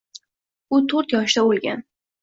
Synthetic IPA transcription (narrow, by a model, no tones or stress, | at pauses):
ʊt̪ʰoɾt̪jɒʃd̪aolˠɡʲan